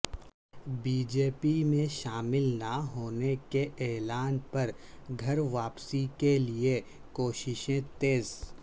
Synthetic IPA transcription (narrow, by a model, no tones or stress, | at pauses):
biːd͡ʒeːpimẽʃaːmɪlnaɦoːnekeʔɛːlaːnpɐɾ | ɡʱɐɾʋaːpsikelie | koːʃɪʃẽt̪eːz